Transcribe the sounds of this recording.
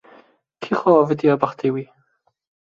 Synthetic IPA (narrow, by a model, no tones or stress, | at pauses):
kʰiχɔvɛdiɔbaχd̥ɪwi